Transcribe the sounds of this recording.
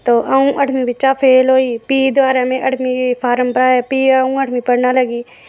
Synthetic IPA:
t̪oːʔəũʔəʈmĩbɪt͡ʃapʰeːlɦoːiːpiːd̪ʋaːɾamẽʔəʈmĩpʰaːɾəmpəɾaːepiːəũəʈʰmĩpəɽnaːləɡiː

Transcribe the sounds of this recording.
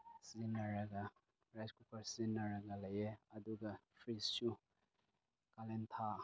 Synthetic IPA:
sinɐɾɐɡɐ | ɾaskupʰɐɾsinɐɾɐɡɐlɐjeɐduɡɐpʰɾissu | kalentʰa

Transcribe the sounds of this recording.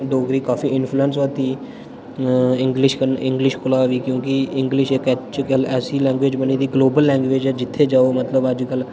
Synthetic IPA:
ɖoːɡɾiːkaːfiːɪnpʰluɛns̬ʋət̪iː | ɪŋɡlɪʃkəɪ̃ŋɡlɪʃkʰʊlaːʋiːkjõːkɪɪŋɡlɪʃekɛt͡ʃt͡ʃkəlɛːsiːlɛ̃ːŋɡʋeːd͡ʒbəniːd̪iːɡloːbəlːɛ̃ːŋɡʋeːd͡ʒɛd͡ʒɪt̪ʰːeːd͡ʒaːoːmət̪ləbəd͡ʒkəl

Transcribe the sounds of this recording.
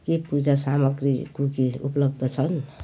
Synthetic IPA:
kipud͡zasamʌɡrikukiṵplʌbd̪ʌt͡sʰʌn

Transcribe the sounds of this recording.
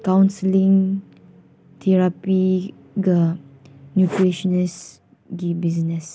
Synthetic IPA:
kãw̃nsəlĩŋ | tʰɛɹapi | ɡa | njutɹeʃɔnɛs | ɡibiznɛs

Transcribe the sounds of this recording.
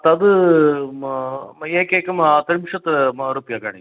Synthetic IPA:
t̪ɐd̪ɨ | eːkeːkɐmt̪ɐɾimʂɐt̪ɐɾupjaka̰ɳi

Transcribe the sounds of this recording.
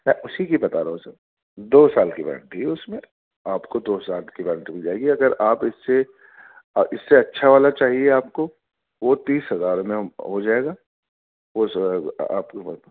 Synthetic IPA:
mɛ̃ːʔʊsikibɐt̪aɾɐɦũsə | d̪oːsaːlkibɛ̰ɾ̰̃ɳʈiʊsmẽ | aːpkod̪oːsaːlkibɛɾ̃ɳʈbʱid͡ʒaːeːɡiɐɡəɾaːpɪsːe | ʔɪsːeɐtːʃʰaʋaːlat͡ʃaːɦieaːp̚ko | ʋot̪iːsɦɐzaːɾmẽɦod͡ʒaːeːɡaː | osa̰ːpko

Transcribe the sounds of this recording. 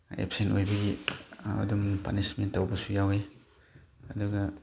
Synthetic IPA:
ḛpsentojbɐɡiɐ̰dumpa̰nismentːɐwbɐsujawe | ɐduɡɐ

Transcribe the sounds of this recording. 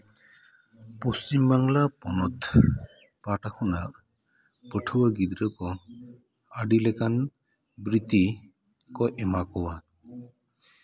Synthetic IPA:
pɔst͡ʃimbaŋlapɔnɔt̪ʰ | paʈakʰɔnaʔ | pəʈʰuwaɡid̪ɾəkɔ | aɖilɛkan | bɾit̪i | kɔʔɛmakɔwa

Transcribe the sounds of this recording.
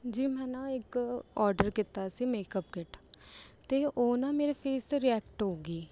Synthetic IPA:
d͡ʒiːmɛ̃ːnãːɪkɔːɾɖəɾkɪt̪aːsiːmeːkəp̚kɪʈt̪eːʔoːnãːmeːɾeːpʰeːst̪eɾiːɛːk̚ʈɦoːɡiː

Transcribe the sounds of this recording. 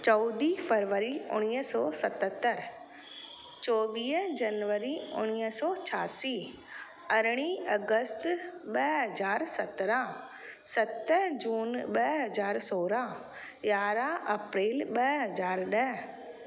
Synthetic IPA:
t͡ɕɔːd̪ifɐɾʋəɾiʊɽ̃iːəsɔːsɐt̪ət̪əɾ | t͡ɕɔːʋiːɦd͡ʑɐnʋəɾiʊ̰ñiəsɔːt͡ɕʰaːsi | ɐɾɽ̃iɐɡəst̪ɓɐɦɐzaːɾsɐt̪ɾã | sɐt̪əd͡ʑuːnɓɐɦɐzaːɾsoːɾa | jaːɾaʔɐpɾeːlɓɐɦɐzaːɾɗəɦ

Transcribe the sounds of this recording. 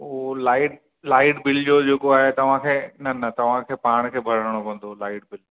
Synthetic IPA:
olaːɪʈ | laːɪʈbɪld͡ʑoːd͡ʑeːkoaːɦet̪ɐʋ̤ãkʰeːnɐnɐt̪ɐʋ̤ãkʰeːpaːɽ̃kʰeːbʱɐɾəəɽ̃opɐ̃n̆d̪olaːɪʈ̚bɪl

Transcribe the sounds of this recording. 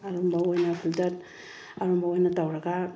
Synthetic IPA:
aɾɔmbawajnapʰiltat̚ | aɾɔmbawajnatawɾaɡa

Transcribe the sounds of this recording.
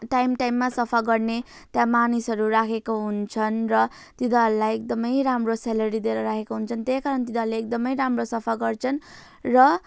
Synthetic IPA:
ʈajmʈajmːasʌpʰaɡʌrne | t̪jãmanisɦʌɾurakʰekoɦunt͡sʰʌnrʌ | t̪id̪aɦʌɾulajek̚d̪ʌmʌjramroselʌɾid̪eɾʌɾakʰekoɦunt͡sʰʌnt̪eskaɾʌnt̪id̪aɦleːk̚d̪ʌmʌjɾamrosʌpʰaɡʌrt͡sʰʌn | rʌ

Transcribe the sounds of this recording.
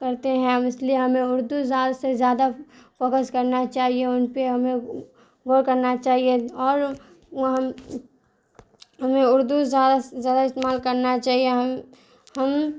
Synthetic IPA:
kɐɾt̪eɦɛ̃ɪslieɦɐmẽʊɾd̪uzjaːd̪asezjaːd̪afɔːkəskɐɾnat͡ʃaːɦieʊnpeɦɐmẽ | ɡoːɽkɐɾnat͡ʃaːɦieɔːɾ | ɦm | ɦɐmẽʊɾd̪uzjaːd̪azjaːd̪aɪst̪emaːlkɐɾnat͡ʃaːɦieɦ | hɐm

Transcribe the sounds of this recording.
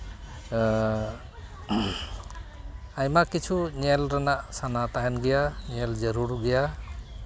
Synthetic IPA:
ajmakit͡ʃʰunelɾanaʔsanat̪ajanɡɛjaneld͡ʒʌɾuɾɡeja

